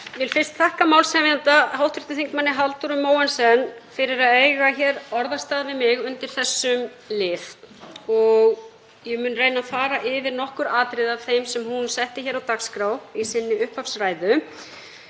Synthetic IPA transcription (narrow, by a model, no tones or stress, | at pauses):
vɪlfɪr̥st̪θʰahkamaːwlsɛvjant̪aɦawht̪ɾɪht̪ɪθiŋkmanːɪɦalt̪uɾʏmːoːwansɛnːfɪɾɪɾaðejɣaçɛːɾɔɾðast̪aːðvɪðmɪɣʏnt̪ɪɾ̥θɛsːʏm | lɪːf | ɔɣ | jɛmʏːnreːjnafaːɾaʔɪvɪɾnɔhkʏɾaːt̪ɾɪðav̥θejmsɛmhunsɛht̪ɪçɛɾawt̪akskɾaːwisɪnːɪʏhphafsraːjðʏ